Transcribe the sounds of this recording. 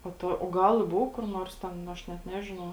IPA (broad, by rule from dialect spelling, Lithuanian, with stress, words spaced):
poː ˈtoː oː ˈɡɐlˠ ɪ ˈboːʊ kʊr ˈnoːrs tʲɛn ˈɐʃ nʲɛt ˈnʲæːʒʲɪnɐʊ